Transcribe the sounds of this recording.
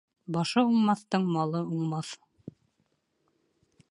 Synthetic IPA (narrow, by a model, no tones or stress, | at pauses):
bɑʃɤuɴmɑθt̪ɤɴmɑlˠɤuɴmɑθ